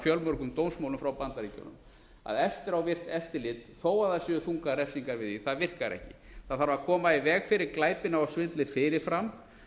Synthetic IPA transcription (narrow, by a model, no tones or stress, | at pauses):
fjœlmœɾ̥kʏmt̪ownsmawlʏmfɾawpant̪aɾicɔ̰wnːʏ̰m | a̰ðɛft̪ɪɾawvɪr̥t̪ɛft̪ɪlɪt̪θoːwaðaðsjɛːʏθuŋkaɾɛfsiŋkaɾvɪðiθaðvɪr̥kaɾɛ̰hcɪ̰ | θaðθaɾvaɾkʰɔːmaivɛːɣfɪɾɪɾklaːjpɪnaawsvɪnt̪lɪfɪɾɪɾ̥fɾam